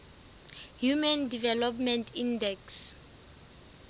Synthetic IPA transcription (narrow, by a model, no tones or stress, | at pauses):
jumandivɛlɔpmɛntʰindɛks